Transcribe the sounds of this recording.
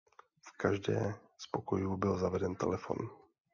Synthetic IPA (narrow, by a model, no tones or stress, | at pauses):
fkaʒdɛ̰ː | spo̞ko̞juːbɪlzavɛdɛnt̪ɛ̰lɛfo̞̰n